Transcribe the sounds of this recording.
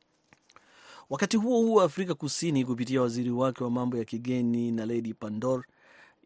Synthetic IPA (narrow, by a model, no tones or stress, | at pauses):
wakatihuɔhuwaːfɾikakusinik̬up̬itiawaziɾiwakɛwamambɔjakiɠɛninalɛɗipandɔɾ